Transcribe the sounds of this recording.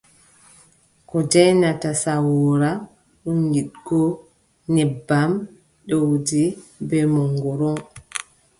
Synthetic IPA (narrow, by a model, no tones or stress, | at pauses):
kɔd͡ʒajnatasawɔɾa | ɗunɡiɗɡ̥ɔ | nɛbːam | ɗowdibɛmɔŋɡɔɾɔŋ